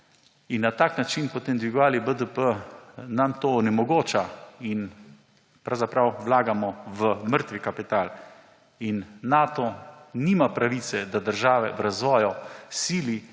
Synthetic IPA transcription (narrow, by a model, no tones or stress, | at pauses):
inːat̪aːknat͡ʃinpɔt̪eːmd̪ʋiɡʋaːlibəd̪əpənamt̪oːnɛmɔɡoːt͡ʃain | pɾawzapɾawʋlaːɡamɔʋəməɾt̪ʋikapit̪aːl | inːat̪ɔnimapɾaʋiːt̪sɛd̪ad̪əɾʒaːʋɛ̰ʋɾazʋɔːjɔsiːli